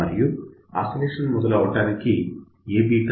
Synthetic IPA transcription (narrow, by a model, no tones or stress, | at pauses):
ɐɾijua̰ːsɐleːʂɐnmɔd̪ɐlɐʋɔʈːaːniki | eːbiːʈː